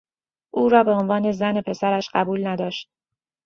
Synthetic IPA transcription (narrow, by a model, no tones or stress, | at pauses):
ʔuːɾɒːbe̞onvɒːne̞zæne̞pʰe̞sæɾæʃɢæbuːlnæd̪ɒːʃt̪̚